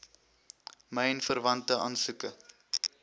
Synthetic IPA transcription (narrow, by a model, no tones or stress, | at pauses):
məjɛnfərvɐntəɐ̰ːnsukə